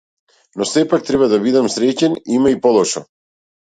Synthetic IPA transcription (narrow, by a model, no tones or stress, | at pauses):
nɔsɛpak̚t̪ɾɛβad̪abid̪amsɾɛcɛnimaipɔlˠɔʃɔ̰